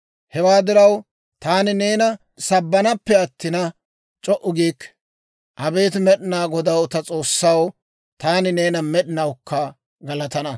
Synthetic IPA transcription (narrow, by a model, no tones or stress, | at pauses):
hɛwaːd̪ɪɾɐw | t̪aːnɪne̞ːnɐ | sɐbːɐnɐpːɛɐt̪ːɪnɐ | t͡ʃʼɔʔʊɡiːkː | ʔɐbe̞ːt̪mɛɗɪnaːɡɔd̪ɐwt̪ɐt͡sʼo̞ːsːɐw | t̪aːnɪne̞ːnɐmɛɗɪnɐwkːɐ | ɡɐlɐt̪ɐnɐ